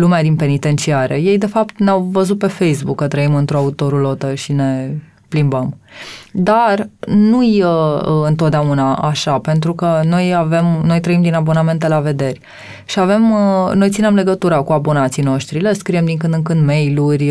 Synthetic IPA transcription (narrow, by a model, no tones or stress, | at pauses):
lumead̪inpe̞nit̪e̞nt͡ʃiaɾe̞je̞jd̪e̞fap̚t̪neawvəzut̪̚pe̞fe̞jsbukːət̪ɾəimɨnt̪ɾoaut̪o̞ɾulo̞t̪əʃine̞ | plimbəmd̪arnujəɨnt̪ot̪̚d̪eaunaʔaʃape̞nt̪ɾukəno̞jave̞mno̞jt̪ɾəimd̪inabo̞name̞nt̪e̞lave̞d̪e̞rʲ | ʃiave̞mno̞jt̪sine̞mle̞ɡət̪uɾakuabo̞nat̪sijno̞ʃt̪ɾile̞skɾije̞md̪iŋkɨnd̪ɨŋkɨnd̪me̞jlurʲ